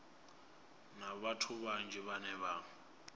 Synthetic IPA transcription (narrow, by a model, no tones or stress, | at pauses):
naβatʰuɓand͡ʒʱɛβanɛβaːŋ